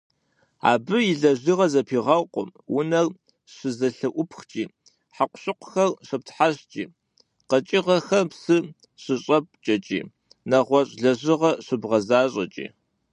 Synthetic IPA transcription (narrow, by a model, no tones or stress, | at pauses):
a̰ːbɨjɪɮɐʑiʁɐzɐpʰiːʁɐwqʷʊ̰mwʊnɐr | ɕɨzɐɬɨʔʷʊpʰxt͡ʃʼiː | ħaqʷʊɕʼɪqʷʊ̥xɐrɕɐp̚tʰħaɕt͡ʃʼḭː | qɐt͡ʃʼɪʁɐxɐpsɨ | ɕɨɕʼɐp̚ʼt͡ʃʼɐt͡ʃʼḭː | nɐʁʷɔɕʼɮɐʑɪʁɐɕɨbʁɐzaːɕʼɐ̰t͡ʃʼḭː